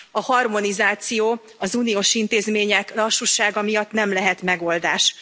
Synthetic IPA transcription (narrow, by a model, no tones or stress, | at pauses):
ɒhɒrmo̞nizaːt̪sijoː | ɒzuːnijoːʃint̪eːzmeːɲɛklɒʃːuʃaːɡɒmijɒt̪nɛmlɛɦɛt̪mɛɡo̞ld̪aːʃ